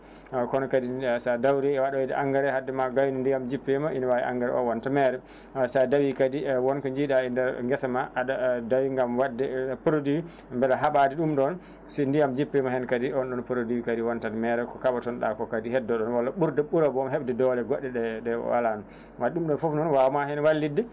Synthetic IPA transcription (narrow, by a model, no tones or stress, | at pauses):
kɔnɔkadisadawɾiɛwaɗawɛdɛ̰ʔaŋɡɛɾɛhadːɛmaɡajnundijamd͡ʒipːɛmaʔḭnawajɛ̰ʔa̰ŋɡɛɾɛ̰ʔɔ̰wantamɛɾɛ | sadawikadiwɔnkɔɲd͡ʒiɗaɛndɛɾŋɡɛsamaʔadadawiŋɡamwadːɛpɾodiwi | mbɛlaɦaɓadiɗumɗɔn | sindijamd͡ʒipːɛmahɛnkadiɔnɗɔnpɾodiwikadiwantanmɛɾɛkɔkabatɔnɗakɔkadihɛdːɔɗɔnwalːaɓuɾdɛɓuɾabɔɔmɦɛbdɛdɔlɛɡɔɗːɛɛɗɛwa̰lanɔ | waɗumɗɔnfofnɔnwamahɛnwalːidːɛ